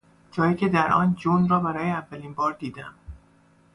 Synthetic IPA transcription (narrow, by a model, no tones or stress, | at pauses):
d͡ʒɒːjiːcʰed̪æɾʔɒ̰ːnd͡ʒonɾɒːbæɾɒːjeævːæliːnbɒːɾd̪iːd̪æm